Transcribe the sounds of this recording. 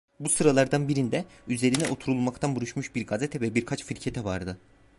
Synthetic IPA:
busɯɾalˠaɾd̪anbiɾind̪ɛyze̞ɾinɛʔo̞t̪ʰuɾulˠmakt̪ʰanbuɾuʃmuʃbiɾɡazet̪ʰɛvɛbiɾkʰat͡ʃfiɾcʰe̞t̪ʰɛvaɾd̪ɯ

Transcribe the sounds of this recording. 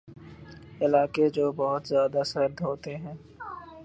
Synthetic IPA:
ɪlaːked͡ʒoːbɔɦʊt̪zjaːd̪asɐɾd̪ɦoːt̪eɦɛ̃ː

